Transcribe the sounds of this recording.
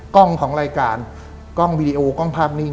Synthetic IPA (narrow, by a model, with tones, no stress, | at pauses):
kɔ˥˩ŋkʰɔː˩˦ŋɾaː˧jkaː˧n | kɔ˥˩ŋwiː˧diː˧ʔoː˧kɔ˥˩ŋpʰaː˥˩p̚niː˥˩